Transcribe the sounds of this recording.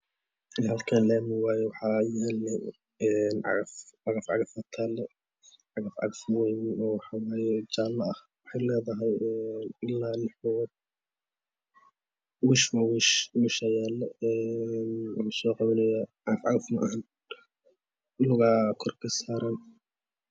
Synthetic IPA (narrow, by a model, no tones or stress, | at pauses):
ɦɐlkʰaːnlɛːmɪwaːjɛwɑħɑjɛlɛ | ɛːnʕɑ̰ɣɐfʕɑɣɐfʕɑ̰ɣɐfɐt̪ʰaːlɛ | ʕɑɣɐfʕɑ̰ɣɐfmʊjɪmɪnɔːwɑħɑwaːjɛt͡ʃaːlːɐɐh | wɑħɑjlɛːðɐɦɛjɛnɪlːanħɔd̚ | wʊʃmʊɣʊʃmʊʃɐjaːlɛɛːnʃɔːqɑβɐnɛjɐʕɑɣɐfʕɑɣɐfmɐʔan | ɪlʊɣaːkʰɔrkʰɐsaːɾɐn